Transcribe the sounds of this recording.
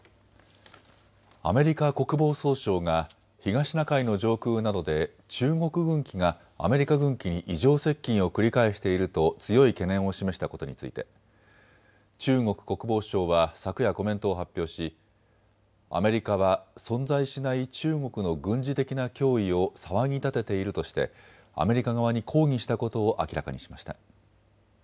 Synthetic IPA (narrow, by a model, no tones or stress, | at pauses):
a̰me̞ɾʲikako̞kɯ̟bo̞ːso̞ːɕo̞ːŋa | çiɡaɕinakaino̞ʑo̞ːkɯːnad̪o̞d̪e̞ | t͡ɕɨːŋo̞kɯ̟ɡɯ̟̃ŋkʲiŋa | a̰me̞ɾʲikaɡɯ̟̃ŋkʲiɲ̟iʔiʑo̞ːse̞kʲːĩɰ̃o̞kɯ̟ɾʲikaiɕi̥t̪e̞iɾɯ̟t̪o̞t͡sɨjo̞ike̞nẽ̞ɰ̃o̞ɕime̞ɕi̥t̪ako̞t̪o̞̰ɲ̟it͡sɨ̰it̪e̞̰ | t͡ɕɨːŋo̞kɯ̟̥ko̞kɯ̟bo̞ːɕo̞ːβasakɯ̟jako̞mẽ̞nt̪o̞ːɦapʲːjo̞ːɕi | a̰me̞ɾʲikaβ̞asõ̞nd͡zaiɕinait͡ɕɨːŋo̞kɯ̟no̞ɡɯ̟̃ɲ̟d͡ʑit̪e̞kʲinakʲo̞ːio̞saβaɲ̟it̪at̪e̞t̪e̞iɾɯ̟t̪o̞ɕi̥t̪e̞̰ | a̰me̞ɾʲikaɡaβ̞aɲ̟ikʰo̞ːiɕi̥t̪ako̞t̪o̞ːʔa̰kʲiɾa̰ka̰ɲ̟ḭɕi̥maɕi̥t̪a̰